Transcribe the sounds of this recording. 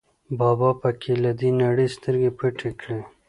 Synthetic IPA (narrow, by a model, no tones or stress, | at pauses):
bɑbɑpəkʰelad̪inaɽəst̪əɾɡepʰəʈʰekɽe